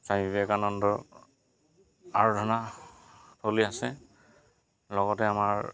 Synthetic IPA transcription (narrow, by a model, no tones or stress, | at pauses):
saibɛkanɔndɔɹ | aɹɔdʱɔna | tʰoliasɛ | lɔɡɔtɛamaɹ